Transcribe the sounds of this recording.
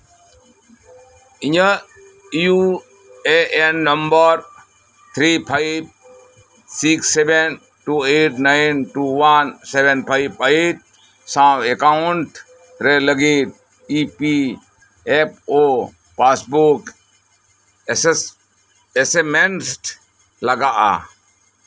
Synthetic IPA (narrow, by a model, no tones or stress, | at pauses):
iɲə | ju | eʔenːɐmbəɾ | t̪ʰɾipʰaib̚ | siksːeben | ʈuːeʈnajnʈuʋansebenpʰaibaiʈ̚ | sãbekaʊɳʈ | ɾeləɡit̪̚ | ipi | ep̚ʰo | pasbuk | esemensʈ | lɐɡaʔa̰